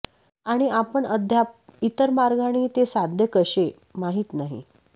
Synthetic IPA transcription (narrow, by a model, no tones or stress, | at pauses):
aɽ̃iʔapəɳəd̪ʱjapit̪əɾmaɾɡʱaɽ̃iːt̪esad̪ʱjəkəɕe | maɦiːt̪naɦḭ